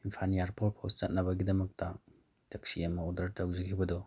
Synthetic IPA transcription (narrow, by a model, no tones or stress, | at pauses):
inpʰanijaɾpʰoɾpʰowst͡ʃɐt̚nɐbɐɡidɐmɐk̚tɐ | tɐksiɐmɐodɐɾtɐwzikʰibɐdɔ